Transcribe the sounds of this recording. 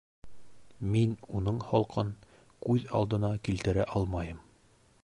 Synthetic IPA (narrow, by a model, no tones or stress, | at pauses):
minunɤɴhɒlˠqʰɤn | kʉðɑ̰lˠd̪ɤ̆nɑkilt̪ɘ̆ɾæʔɒlˠmɑjɤm